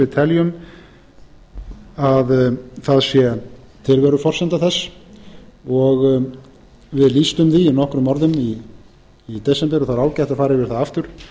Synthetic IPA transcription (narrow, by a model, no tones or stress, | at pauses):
ɪt̪ʰɛljʏm | aðθaðsjɛ | t̪ʰɪlvɛɾʏfɔr̥sɛnt̪aθɛsː | ɔɣ | vɪðliːst̪ʏmθiːnɔhkɾʏmːɔɾðʏmiː | t̪ɛsɛnp̪ɛɾɔθaɾaːwcajht̪ḁfaːɾɪvɪɾ̥θaðaft̪ʏɾ̥